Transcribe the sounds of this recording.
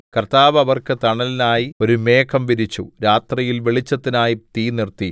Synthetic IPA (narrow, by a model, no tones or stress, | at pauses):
kɐrt̪aːʋɐʋɐrkɨt̪ɐɳɐlinaːjio̞ɾume̞ːkʰɐmʋiɾit͡ɕːuɾaːt̪rijilʋeɭit͡ɕːɐt̪ːinaːjit̪iːnirt̪i